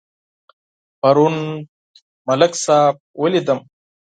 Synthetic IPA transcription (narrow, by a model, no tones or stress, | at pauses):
pɐɾun | mɐlɐksaːb̚welid̪ɐm